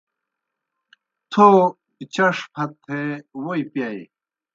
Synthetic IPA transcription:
t̪ʰo | pit͡ɕɐʂpʰɐt̪ʰːewoipjai

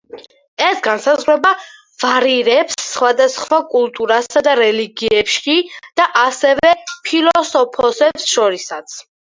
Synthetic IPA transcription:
ɛsɡansazʁɾɛba | v̥aɾiɾɛpsːχwad̪asχwakʼulˠt̪ʼuɾasad̪aɾɛliɡiɛpʃid̪̥aʔasɛvɛpʰilˠɔsɔpʰɔsɛpsʃɔɾisat̪sʰ

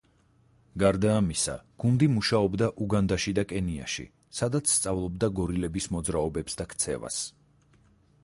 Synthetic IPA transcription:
ɡaɾd̪aːmisa̰ɡ̥und̪imuʃaɔbd̪aʔuɡand̪aʃid̪akʼɛnia̰ʃḭ | sad̪at̪sʰst̪sʼavlˠɔb̚d̪aɡɔɾilɛbismɔd̪zɾaɔbɛpsd̪akʰt̪sʰɛ̰va̰s

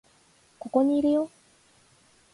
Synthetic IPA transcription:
koko̞ɲiːɾijo

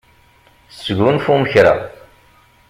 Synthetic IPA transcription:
sɡunfuməçɾa̰

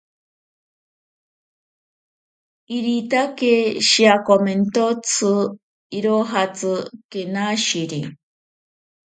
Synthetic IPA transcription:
iɾit̪akeʃiakoment̪ot͡sʰɨ | iɾoɦat͡sɨkenaʃiɾi

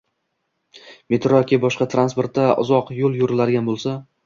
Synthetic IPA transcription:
met̪ɾokʲibɒʃqɑt̪ʰɾanspo̞ɾt̪d̪aʊ̰zɒqjolˠjoɾɪlaɾɪɡʲanbolˠsa

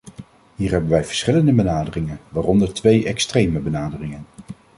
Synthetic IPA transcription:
ɦiːɹɦɛbənʋɛjv̥əɹsχɪləndəbənaːdərɪŋənʋaːrɔndəɹtʋejɛkstrejməbənaːdərɪŋən

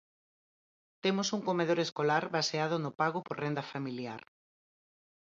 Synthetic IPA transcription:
t̪emosuŋkomeðoɾeskolaɾβaseað̞ʊnʊpaɣopoɾrend̪ɐfamilja̰ɾ

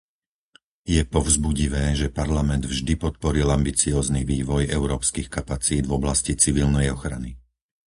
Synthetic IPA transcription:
jɛpɔʊzbuɟiʋɛːʒɛpaɾlamɛnd̪vʒd̪ipɔt̪̚pɔɾilambit͡siɔːzniʋiːʋɔjɛʊɾɔːpskixkapat͡siːd̪vɔblascit͡siʋilnɛjɔxɾa̰ni

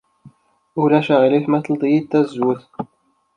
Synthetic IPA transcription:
ʊlæʃæʁiliθmæθəld̪ˤijid̪̚t̪ːæzwʊθ

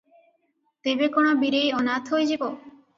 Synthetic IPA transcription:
t̪ebekoɽ̃ɔbiɾejɔnat̪ʰɦojd͡ʒibo

